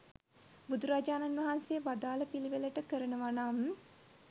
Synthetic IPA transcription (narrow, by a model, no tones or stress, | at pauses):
bud̪uɾaːd͡ʒaːnanʋɐɦansejəʋad̪aːləpiliʋeləʈəkəɾənəʋanam